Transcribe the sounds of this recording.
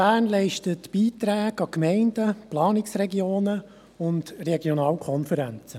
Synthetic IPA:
bæːnlɛɪʃtətb̥iːt̪ɾæːɡɑkmɛɪnd̥əplɑːnɪksrɛɡioːnə | ʊndrɛɡjɔnɑːlkʰχɔnfəɾænt͡sə

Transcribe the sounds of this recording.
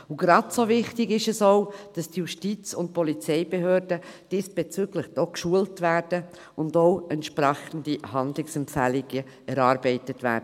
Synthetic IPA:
ʊɡɾɑtsovɪχtɪɡɪʃɛsoʊd̥ɑsd̥ijuʃtit͡sʊnt̚pɔlit͡sɛɪbeɦøːɾd̥əd̥ɪːsb̥et͡syɡləχd̥ɔkʃuəltvæːrd̥ə | ʊndoʊɛntʃpɾɛxən̩dihɑndlɪksɛmpfæliɡ̥ə | ɛɾɑːɾbɛɪtətʋæ̰ːɾdə

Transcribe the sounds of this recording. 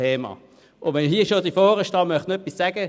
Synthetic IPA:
eːmɑ̰ | ʊʋɛnɦiːəʃodifɔːɾəʃtɑmœχtnɛpissaɡ̥ə

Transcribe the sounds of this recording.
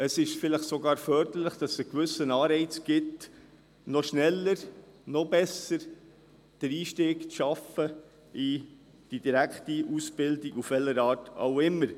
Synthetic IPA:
əsɪʃfɪləχsoɡɑːɾfœːɾdəɾləχd̥ɑsəkvʏsənɑːɾɛɪt͡sɡ̥ɪt | nɔʃnɛlːəɾnɔbɛsəɾ | d̥əɾiːʃtɪːɡt͡sʃɑfə | i | d̥id̥iɾækχtiusb̥ɪldiɡufʋɛlːəɾɑːɾta̰ʊɪmːəɾ

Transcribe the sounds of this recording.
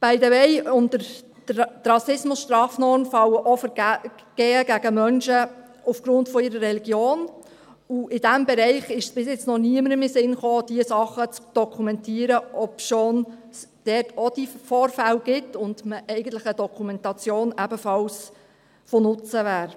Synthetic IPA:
b̥ɛɪdəʋɛɪʊndəɾ | ɾɑsɪsmʊsʃtɾɑːfnɔɾmfɑləʔɔfəɡ̥ɛːəɡæɡəmœnʃə | ufɡ̥ɾʊntfɔɪɾərːɛliɡjoːn | uʔɪd̥æmbɛɾɛɪχɪʃsb̥ɪsjɪt͡snɔniəməɾəmɪsɪnχoːd̥iəsɑχːət͡sd̥ɔkʰumɛntiːəɾəʔɔpʃoːn | sd̥ɛːtʰɔd̥ifɔːɾfælɡ̥ɪtʰːʊnd̥məʔɛɪɡən̩tlɪχədɔkʰumɛntɑt͡sjoːnæbəfɑls | fonʊt͡səʋæːɾ

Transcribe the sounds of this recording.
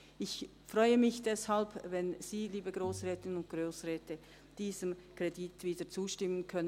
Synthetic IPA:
ɪç | fʁɔʏəmɪçd̥ɛshalbvɛnz̥iːliːbəɡʁoːsʁɛːtɪnənʊnt̚ɡ̥ʁoːsʁɛːtə | d̥iːzəmkʁ̥editviːdət͡suːʃtɪmənkʰœnə

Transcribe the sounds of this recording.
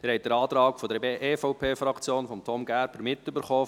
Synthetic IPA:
ɪːɾhɛt̚d̥̪əɾɑːt̪ɾɑːkfɔd̪əɾʔeːfɔʊpʰeːfɾɑkt͡sjoːnfɔmtʰɔmɡæːɾb̥əɾmɪtʏbəɾχɔː

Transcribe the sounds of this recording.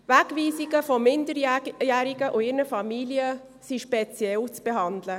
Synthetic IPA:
væɡviːsiɡəfɔmɪndəɾjæːɾiɡəʔʊɪɾnəfɑmiliə | siʃpɛt͡sjɛlt͡sb̥eɦɑndlə

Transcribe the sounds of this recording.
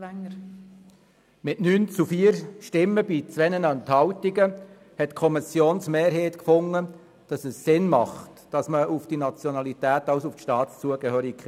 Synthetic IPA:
ŋ | mɪtnyːnt͡sufiːəɾʃtɪmːəbit͡sʋɛnənɑnt̪hɑwtiɡə | hɛtkʰɔmisjoːnsmeːɾɦeːtkfʊŋːə | d̥ɑsəsːɪnmɑχt | d̥ɑsməufd̥inɑt͡sjɔnɑlitæːtɑwsufʃtɑːtst͡suəɡ̥əhøːɾik

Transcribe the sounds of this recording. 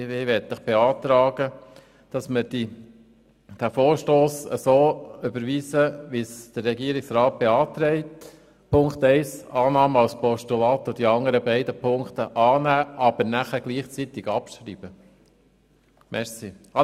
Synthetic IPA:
ʋeʋɛt̚d̥̪əχb̥eɑːt̪ɾɑːɡə | d̥ɑsmɪɾdi | d̥æfoːɾʃtoːsə̰soːʏbəɾʋiːsəʋisd̪̥ərːɛɡiəɾɪksɾɑːt̚b̥eɑːt̪ɾɛɪt | pʰʊŋkt̪ɛɪsɑːnɑːmɑlspɔʃtulɑːt̪ːod̥iɑŋəɾəbɛɪdəpʰʊŋkt̪əʔɑːnæːʔɑb̥əɾnæχəɡ̥liːχt͡sit̪ɪɡ̥ɑpʃɾib̥ə | mʔɛɾsi | ɑ

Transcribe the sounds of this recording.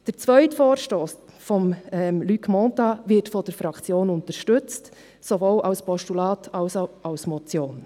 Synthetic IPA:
d̥əɾt͡svœʏtfɔːɾʃtoːs | fɔmɛmlykmɔtɑvɪtfɔd̥əɾfɾɑkt͡sjoːnʊntəɾʃtɵt͡st | sovoːlʔɑʊspɔʃtulɑːtʰɑʊsoʔɑʊsmɔt͡sjoːn

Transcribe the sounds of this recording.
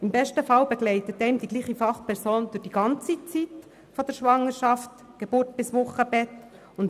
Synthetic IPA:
ɪmbɛʃtəfɑlbɛɡlɛɪtət̪ɛɪmd̪iɡliːχifɑχpʰɛɾsoːnd̥̪ʊɾχd̥iɡɑnt͡sit͡sit | fɔd̥̪əɾʃʋɑŋəɾʃɑft | ɡ̥eb̥ʊɾtb̥ɪsʋʊχəbɛt | ʊnt

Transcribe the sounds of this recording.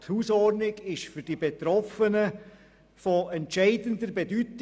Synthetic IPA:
thuːsɔrdnɪɡɪʃfyɾd̥ibet̪ɾɔfənə | fɔɛntʃɛɪdəndəɾbedyt

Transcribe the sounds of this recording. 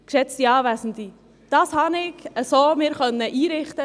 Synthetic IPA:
kʃɛt͡st̪iɑːvæsn̩t̪i | d̥ɑshɑnɪɡəsomɪːɾχœnːəʔiːɾɪχt̪ə

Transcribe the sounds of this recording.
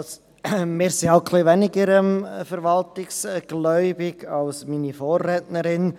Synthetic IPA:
s | mɪːɾsiaʊkʰliʋɛnɪɡəɾɛmfəɾʋɑltɪksɡ̥lœʏbɪɡ̥ɑlsminifoːɾːɛːtnəɾɪn

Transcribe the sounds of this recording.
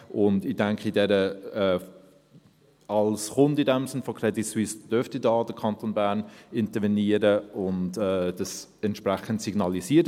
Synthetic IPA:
ʔʊndɪdɛŋkχidɛɾəɛː | ɑlsχʊndidɛmsɪnfɔkʰɾɛdiswisd̥øɾftidɑːdəkʰɑntoːnbæɾnɪntəɾvɛniəɾəʊntɛːdɑs | ɛntʃpɾæχəntsiɡnɑlisiːɾ

